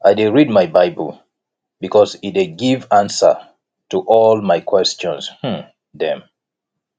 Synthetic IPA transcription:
ajdɪɹid̚majbaɪbəlˠ | bikʰɔzit̚deɡivãnsə̰˞ | tʰuʔɔlˠmajkʰw̥ɛst͡ʃɔ̃nsh̩ | ðɛ̃m

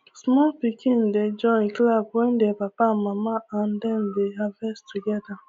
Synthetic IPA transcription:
smɔlpikin̩ded͡ʒɔnklabwen̩depapamamaan̩dɛn̩deɦavɛstuɡɛda

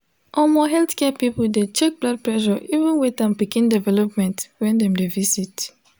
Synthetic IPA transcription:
ʔɔmɔɦɛltkɛpipoldet͡ʃɛk̚blad̚plɛʃɔʔivə̃nwetãnpikĩndɛvɛlɔpmɛ̃ntwɛ̃ndɛ̃mdevisit

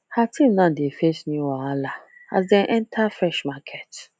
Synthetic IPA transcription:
hatʰĩmnãdefesnĩwaalaa̰zdɛ̃nʔɛntʰafɾɛʃmakʰɛt

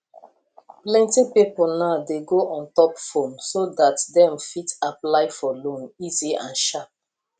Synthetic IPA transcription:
plɛ̃ntipipol̩naʊdeɡoʔɔ̃ntɔpfõnsodatdɛ̃mfitaplaɪfɔlõniziã̰nʃap̚

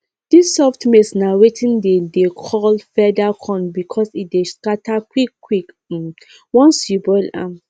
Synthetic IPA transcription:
d̥isːɔftmesnaɹetʰĩndedekʰɔlfɛdakʰɔ̃nbikʰɔsit̚deskatʰakwikːwik̩ | wɔ̃nsjubɔɪlã̰m

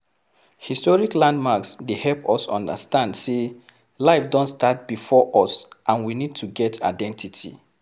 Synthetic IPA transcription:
histɔɹiklãndmaksdehɛlpɔsɔ̰̃ndə̰stãndse | laɪfdɔ̃ntstat̚b̥ifɔʔɔsʔãnwinid̚tʰuɡɛtʰa̰ɪdɛ̃ntʰitʰḭ

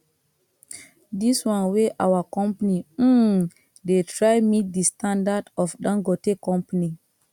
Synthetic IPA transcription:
diswãnweʔawakɔmpani | detɾajmit̚distandadɔfɗãŋɡɔtekɔ̃mpani

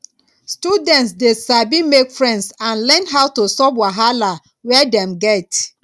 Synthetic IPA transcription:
studɛ̃ntsdesabimekfɹɛ̃ndsãnlɛ̃nɦawtosɔbwaɦala | wɛdɛ̃mɡɛt

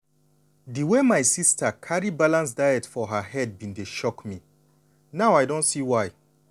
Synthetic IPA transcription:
diwemajsistʰəkʰaɹibalãns̬daɪjɛtfɔɦəhɛd̚bĩndeʃɔkmi | naʊajdõntsiwaj

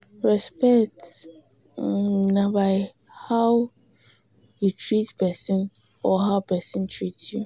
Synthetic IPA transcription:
ɹɛspɛkt | nãbaɪ | haw | jutʰɹitpɛsɪ̃n | ɔɦaʊpʰɛsɪ̃ntʰɹitju

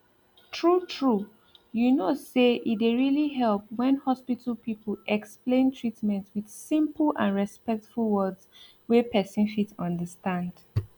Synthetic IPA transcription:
tʰɹutʰɹu | junoseʔideɹiliɦɛlˠp̚wɛ̃nhɔspitʰəl̩ˠpipʰəl̩ʔɛksplẽntʰɹitmɛ̃ntwið̥sĩmpəlã̰nɹɛspɛk̚tfulˠwɜdz | wepʰɛsĩnfitʌ̃ndəstãnd̥

